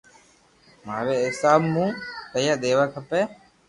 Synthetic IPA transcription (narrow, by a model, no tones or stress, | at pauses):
maːʋeːɪsaːmːũːkəjaːd̪eːʋaːkʰəpeː